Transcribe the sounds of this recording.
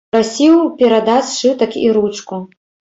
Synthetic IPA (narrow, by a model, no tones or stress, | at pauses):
ɾasʲiwpʲɛɾad̪asʂɨt̪ʼɐkʰʲḭɾut͡ʂkʼu